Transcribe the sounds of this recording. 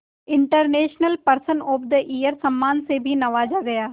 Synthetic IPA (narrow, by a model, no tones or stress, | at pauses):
ɪɳʈəɾneːʃnəlpəɾsənʊpd̪əʔiːjəɾsəmːaːnseːbʱiːnəʋaːd͡ʒaːɡəjaː